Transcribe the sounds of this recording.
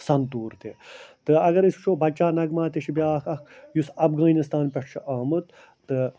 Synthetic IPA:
sɐnt̪uːɾt̪et̪ɨɐɡɐɾist͡ʃʰoːbɐt͡ʃaːnɐɡmaːt̪eʃʰibʲjaːkʰɐkjusɐfɡaːnist̪aːnpʲɐʈʂʰɐʔaːmɨt̪ | t̪ɨ

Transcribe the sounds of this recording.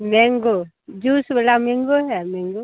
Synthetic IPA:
meŋɡo | d͡ʒusbelameŋɡoɦɛmeŋɡo

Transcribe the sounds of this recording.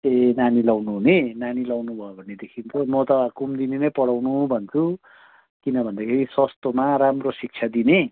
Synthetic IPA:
enanilawnuɦunenanilawnubʱʌjobʱʌnːed̪ekʰint͡sʰʌmʌt̪ʌkumd̪inenʌjpʌɽawnubʱʌnt͡sʰu | kinʌbʱʌnd̪akʰeɾiswʌst̪omaɾamrosik̚t͡sʰad̪ine

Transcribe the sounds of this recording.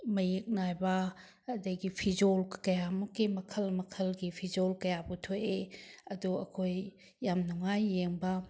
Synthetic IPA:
mɐjik̚najbɐː | dɐɡipʰid͡ʒolkɐjamukːimɐkʰɐlmɐkʰɐlɡipʰid͡ʒolkɐjabutʰojeɐduɐ̰kʰojː | amnuŋajːeŋbɐ

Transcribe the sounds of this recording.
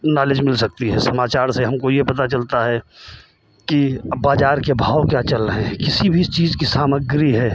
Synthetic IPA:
naːlɪd͡ʒmɪlsɐk̚t̪iɦɛːsɐmaːt͡ʃaːɾseɦɐmkojepɐt̪at͡ʃɐlt̪aɦɛ | kibaːd͡ʒaːɾkebʱaːwkjaːt͡ʃɐlɾəɦẽɦɛ̃kɪsibʱist͡ʃiːzkisaːməɡɾiɦɛː

